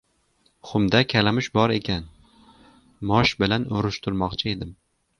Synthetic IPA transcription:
χʊmd̪akʲʰalamɪʃbɒɾe̞kʲʰan | mɒʃbɪlanʊɾʊʃt̪ʰʊɾmɒqt͡ʃʰɪe̞d̪ɪm

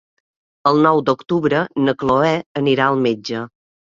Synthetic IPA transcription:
əlˠnɔwd̪ukt̪uβɾənəkloɛəniɾaəlˠmed͡ʒə

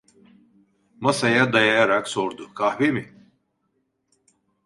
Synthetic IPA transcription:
mɐsɐjɐd̪ɐjaɾɐksoːɾd̪ukaːhbimi

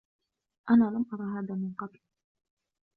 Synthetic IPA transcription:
ʔanaːlamʔɑɾˤɑːɦaːðaːmɪnqɑbli

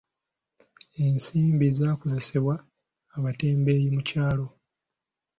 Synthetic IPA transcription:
e̞nsiːmbizaːko̞ze̞seβwaː | βate̞ːmbe̞ːjimucaːlo̞

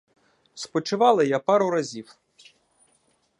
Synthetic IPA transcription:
spɔt͡ʃɪʋɑlˠɐjapɑɾʊɾɐzʲiw

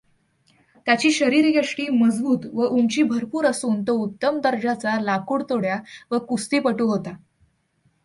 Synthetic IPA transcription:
t̪jat͡ɕiːɕəɾiːɾɡəʂʈiːməd͡zbuːt̪ʋəʔumt͡ɕiːbʱəɾpuːɾəsuːnt̪out̪ːəmd̪əɾd͡ʑat͡salakoɽt̪oɽjaʋəkust̪iːpəʈuːɦot̪a

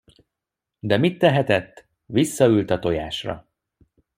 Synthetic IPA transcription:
d̪ɛmit̪ːɛɦɛt̪ɛt̪ː | visːɒylt̪ɒt̪o̞ja̰ːʃrɒ̰

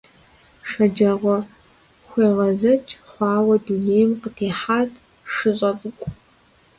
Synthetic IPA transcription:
ʂɐd͡ʒɐʁʷɔ | xʷeːʁɐzɐt͡ʃʼχʷɑːwɐduneːjmqətʰeːħaːtʰʼ | ʂɨɕʼɐrʼɨkʷʼ

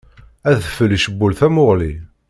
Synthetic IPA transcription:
æðəfəliʃəbːulθæmoʁli

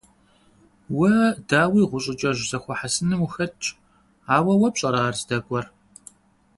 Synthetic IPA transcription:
wɐdaːwiːʁʷʊɕʼɪt͡ʃʼɐʒʷzɐxʷɔħasɨnɨmuxɐtt͡ʃʼ | aːwɐwɐpɕʼɐɾaːrzdɐɡʷʼɔr

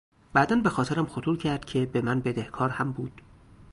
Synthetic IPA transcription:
b̥æːd̪ænbexɒːt̪eɾæmxot̪ʰuːɾcʰæɾd̪̥̚cʰe̞bemænbed̪ehkʰɒːɾhæmbuːd̪̥

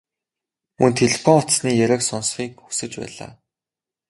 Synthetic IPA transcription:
mɵnt̪ʰeɮpɔŋʊt̪sniːjæɾʲăksɔnsχiːk̚xu̥sɘ̆t͡ɕpæ̰ːɮa̰ː

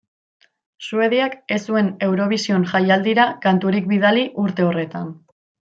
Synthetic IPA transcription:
sue̞ð̞iake̞sue̞ne̞wɾo̞β̞isio̞nʝajald̪iɾakant̪uɾikbiðaliʔuɾt̪e̞o̞re̞t̪an

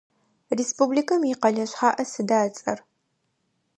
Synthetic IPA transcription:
respublikʰɐmjɪqɐɮɐɕχaːʔɐsɨdaːt͡sʼɐ̰r

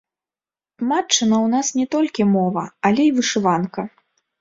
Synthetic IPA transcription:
mat͡ʂːɨnɐwnasnʲɛt̪ɔlʲkʲimɔvɐalʲɛjvɨʂɨvankɐ

